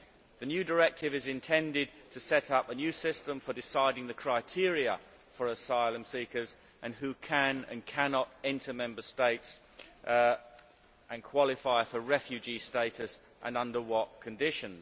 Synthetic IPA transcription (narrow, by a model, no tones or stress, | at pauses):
ðɨnjʉdə˞ɛk̚tʰɪvɨzɪ̃ntʰɛ̃ndɪd̚tʰɨsɛɾʌpənjʉsɪstə̃ɱfədɪsaɪɾɪ̃ŋðɨkʰɹ̥aɪtʰɪəɹiə | fə˞əsaɪlˠə̃msikə˞z | ʔɨ̃nɦʉkʰɨ̃nɨ̰̃nkʰænɑɾɛ̃ntʰəmɛ̃mbə˞steɪts | ʔɨ̃nkʰw̥ɑlˠɪfaɪfəɹɛfjʉd͡ʒisteɪɾɨs | ʔə̰̃nʌ̃ndəwɒt̚kʰɨ̃ndɪʃɨ̃nz̥